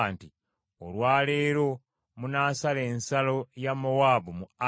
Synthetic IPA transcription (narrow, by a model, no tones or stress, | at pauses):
nti | olwaːle̞ːɾo̞ | munaːsaleːnsalo̞jamːowaːbumua